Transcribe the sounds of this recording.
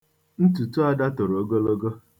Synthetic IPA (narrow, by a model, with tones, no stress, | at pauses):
n̩˦tu˨tu˦a˦da˦to˨ɾo˨o˦ɡo˦lo˦ɡo˦